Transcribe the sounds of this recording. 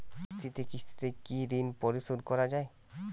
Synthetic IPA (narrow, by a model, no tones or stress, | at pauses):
st̪ʰit̪ekist̪ʰi̥t̪ekiɾinpoɾiʃod̪kɔɾad͡ʑae